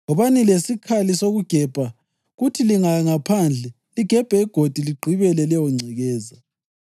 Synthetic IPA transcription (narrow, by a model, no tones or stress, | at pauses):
ɔβanilesikʰalisoɣuɡ̥ʱɛb̥ʱa | ɣutʰiliŋaŋapʰand͡ɮʱɛ | liɡ̥ʱɛb̥ʱɛiɡ̥ʱod̥ʱiliɡ͡ǃʱiβɛlɛlɛwɔŋ͡ǀʱɛɣɛːza